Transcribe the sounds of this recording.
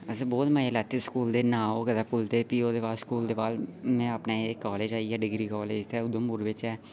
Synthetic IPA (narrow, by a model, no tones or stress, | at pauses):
əsəbɔːt̪məelɛːt̪ʰːeskuːld̪eːnãːoːkəd̪aːpʊlt̪eːpiːoːd̪eːbaːlskuːld̪eːbaːlmɛ̃ːəpnaːekːɔːleːd͡ʒaːijaːɖɪɡɾiːkɔːleːd͡ʒt̪ʰɛːʊd̪õːmʊɾʋɪt͡ʃɛː